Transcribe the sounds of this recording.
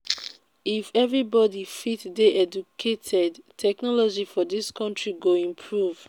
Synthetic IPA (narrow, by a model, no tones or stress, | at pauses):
ifɛvɹibɔdifitdeʔɛd͡ʒukʰetʰɛdtʰɛknɔlɔd͡ʒifɔdiskʰɔ̃ntɹiɡoĩmpʰɹuv̥